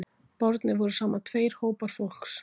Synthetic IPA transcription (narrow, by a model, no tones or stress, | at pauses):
pɔɾt̪nɪvɔɾʏsaːmat̪ʰveːjɾ̥hoːwpaɾ̥fol̥ks